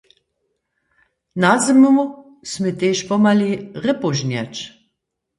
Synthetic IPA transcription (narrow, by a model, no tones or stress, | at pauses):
nazəmumu | smet̪eʃpɔmaliʁəpoʒnjɛt͡ʃ